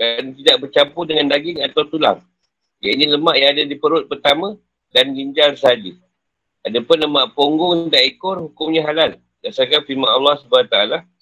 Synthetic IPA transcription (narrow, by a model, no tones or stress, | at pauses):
dant̪idaʔbərt͡ʃampudəŋandaɡɪŋat̪awt̪ula̰ŋ | ja̰iniləmaʔjaŋadadipəɾʊt̪̚pərt̪amə̃ | danɡiɲd͡ʒalsəɦad͡ʒi | adapʊnləmaʔpoŋɡʊŋdaʔikʊrhukʊmɲaɦalal | daʔsarkanfimanɑlːɑhsəbaat̪aala